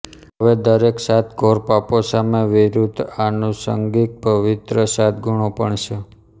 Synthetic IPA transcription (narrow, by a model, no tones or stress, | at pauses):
ɦəʋed̪əɾeksat̪ʰɡʱoɾpaposameʋiɾud̪anusə̰ŋɡik̪̚pəʋit̪ɾəsat̪ɡuɳ̃opəɳt͡ʃʰe